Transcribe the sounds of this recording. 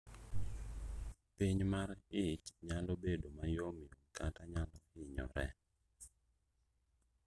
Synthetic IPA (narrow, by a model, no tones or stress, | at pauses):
piɲmarɪt͡ʃɲalobedomajomiokataɲalɔɪɲɔ̰ɾɛ̰